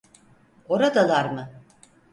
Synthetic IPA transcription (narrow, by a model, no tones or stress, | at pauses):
o̞ɾad̪alˠaɾmɯ